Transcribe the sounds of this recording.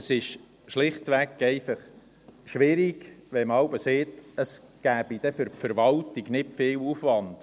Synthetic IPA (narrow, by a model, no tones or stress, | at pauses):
əsɪʃ | ʃlɪχtʋækɛɪfɑχ | ʃʋɪɾiɡʋɛmɑwbəseːtəsɡ̥æːb̥id̥ɛfʏɾpfəɾʋɑltiɡnɪtfɪːwufvɑnd̥